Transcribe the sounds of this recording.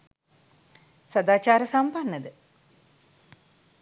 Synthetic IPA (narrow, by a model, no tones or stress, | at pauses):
sad̪aːt͡ʃaːɾəsampanːəd̪ə